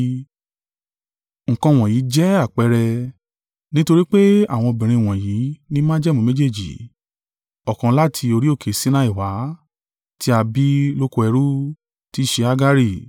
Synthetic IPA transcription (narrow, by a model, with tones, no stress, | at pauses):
ŋ̩̃˨kã˧˨w̃ɔ̃˨jiː˨˦d͡ʒɛ˦a˦˨k͡pɛ˧ɾɛ˧ | nĩ˦to˧ɾi˦k͡pe˦a˦˨w̃ɔ̃˧˨bĩ˨ɾ̃ĩ˧˨w̃ɔ̃˨ji˨˦nĩ˦mã˦d͡ʒɛ˦˨mũ˧˦me˦d͡ʒe˦˨d͡ʒḭ˨ | ɔ˨kã˨˦la˦tʰi˧o˧ɾi˦o˦˨kʰe˨sĩ˦nã˦i˦˨wa˨˦ | ti˦a˧bi˦lo˦ko˧ɛ˧ɾu˦ | ti˦ʃe˧a˦ɡa˦ɾi˦˨